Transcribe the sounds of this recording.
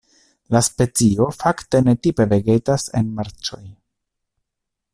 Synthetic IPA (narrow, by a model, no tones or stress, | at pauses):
laspe̞t͡sio̞fakte̞ne̞tipe̞ve̞ɡetase̞̰nmaɾt͡ʃo̞j